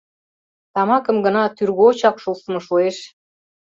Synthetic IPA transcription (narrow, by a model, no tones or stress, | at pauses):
t̪ɑmɑkə̆mɡə̆nɑt̪yrɣot͡ɕɑpʃulsəmɤ̆ʃueʃ